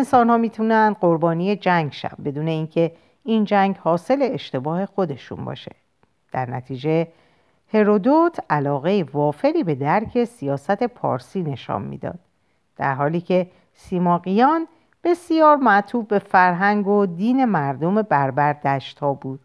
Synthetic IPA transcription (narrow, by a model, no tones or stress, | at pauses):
ensɒːnhɒːmiːt̪ʰunænd̪ɢo̞ɾbɒːnije̞d͡ʒæŋɡʃæ̰vbe̞d̪uːne̞iːŋcʰe̞ | ind͡ʒæŋɡhɒːse̞le̞ːʃt̪e̞bɒːhe̞xo̞d̪e̞ʃṵnbɒ̰ʃe̥ | d̪̥æɾnæt̪ʰiːd͡ʒe̞ | he̞ɾod̪ot̪ʰælɒːɣe̞jevɒːfe̞ɾiːbe̞d̪æɾcʰe̞sijɒːsæt̪ʰe̞pʰɒ̰ːɾsiːne̞ʃɒ̰ːmmḭːd̪ɒ̰ːd̪̥̚ | d̥̪æ̰ɾɦɒːliːcʰe̞ | siːmɒːɣijɒːn | b̥e̞sijɒːɾmæt̪ʰuːbbe̞fæɾɦæŋɡod̪iːne̞mæɾd̪o̞me̞bæɾbæɾd̪æʃt̪hɒːbuːd̪̥̚